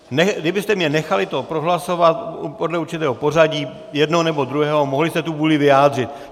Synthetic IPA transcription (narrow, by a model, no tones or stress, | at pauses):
nɛdɪbɪst̪ɛmɲɛnɛxalɪt̪opɾoɦlaso̞vat̪po̞dlɛuɾt͡ʃɪt̪ɛːɦopo̞raɟiː | jɛdnonɛbod̪ɾuɦɛːɦomoɦlɪst̪ɛt̪uvuːlɪvɪjaːd̪r̝ɪt̪